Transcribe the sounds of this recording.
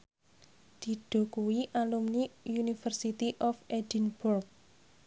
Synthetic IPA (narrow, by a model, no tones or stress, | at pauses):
d̪̥i̤ɖ̥o̤kuwiʔalumniunifərsit̪iʔɔfed̥inburk̚